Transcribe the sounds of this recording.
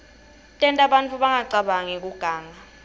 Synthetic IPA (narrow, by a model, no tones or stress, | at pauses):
tʼɛntʼaɓantʼuɓaŋaǀaɓaŋɛk̬ʼuɡ̥ʱaːŋa